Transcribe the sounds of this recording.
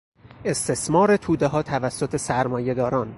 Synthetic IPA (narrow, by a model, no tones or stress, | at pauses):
e̞st̪ʰe̞smɒːɾet̪ʰuːd̪eɦɒːt̪ʰævæsːot̪ʰe̞sæɾmɒːje̞d̪ɒːɾɒːn